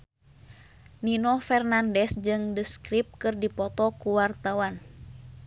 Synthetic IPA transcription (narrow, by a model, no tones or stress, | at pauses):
ninɔfɛrnandɛsd͡ʒɨŋdəskɾip̚kɨrdipɔt̪ɔkuwart̪awan